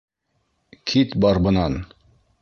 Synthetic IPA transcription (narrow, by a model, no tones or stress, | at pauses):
kʰit̪bɑɾbɤ̆nɑn